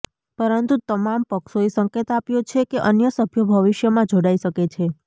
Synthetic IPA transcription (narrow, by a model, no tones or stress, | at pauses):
pəɾənt̪ut̪əmampəkʃoesə̃ŋket̪apjot͡ʃʰekeʔənjəsəbʱjəbʱəʋɪʃjəmãd͡ʒoɽaiʃəket͡ʃʰe